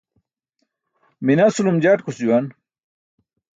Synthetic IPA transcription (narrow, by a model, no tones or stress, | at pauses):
minasulumd͡ʑaʈkusd͡ʑuwan